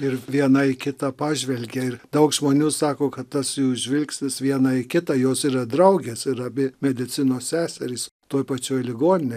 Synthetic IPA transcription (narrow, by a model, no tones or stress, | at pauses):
ɪɾʋʲiɛnɐɪkʲɪt̪ɑpɑːʒʲʋʲɛlʲɡʲeɪɾd̪ɐʊkʒmoːnʲuːsɑːkoːkɐt̪t̪ɐsjuːɪʒʲʋʲɪlʲksʲnʲɪsʋʲiɛnɐɪkʲɪt̪ɑːjoːsiːɾɐd̪ɾɐʊɡʲeːsɪɾɐbʲɪmʲɛd̪ʲɪt̪t͡s̪ʲɪnoːssʲæːsʲɛɾʲiːst̪oːjpɐt͡ʃʲoːjlʲɪɡoːnʲɪnʲe